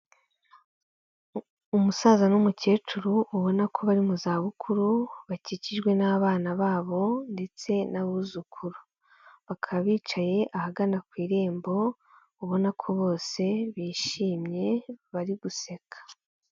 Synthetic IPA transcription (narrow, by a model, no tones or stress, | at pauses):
umusaːzanumuce̞ːt͡ʃuɾuʔːβo̞nakʰo̞βaɾimuzaːβukʰuɾuβaciciʒɡwe̞naːβaːnaβaːβo̞nde̞t͡se̞naβuzukʰuɾu | βakʰaβiːt͡ʃaje̞ʔahaɡanakwiːɾe̞ːmbo̞ | uβo̞nakʰo̞βo̞ːse̞βiːʃiːmɲe̞βaɾiɡuse̞kʰḁ